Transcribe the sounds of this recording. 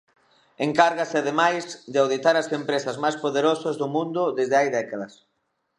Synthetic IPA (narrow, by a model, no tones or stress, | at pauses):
eŋkaɾɣasɪaðemajsd̪ɪawðit̪aɾɐsempɾesɐzmajspoðeɾosɐzðʊmũnd̪ʊðezðɪajðɛkaðɐs